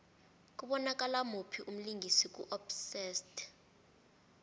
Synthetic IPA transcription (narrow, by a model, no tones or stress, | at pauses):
k̬ʼuɓɔnak̬ʼalamupʰiʔum̩liŋɡʱisik̬ʼṵʔɔbsɛstʰʼ